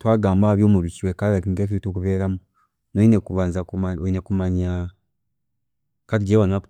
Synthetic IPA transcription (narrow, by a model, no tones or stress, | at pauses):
twaːɡaːmbahaβjoːmuɾuciwekaɾakiŋɡef̬iitokuβeːɾamu | noinekuβaːnzakaoinekumaɲa | katiɟewanap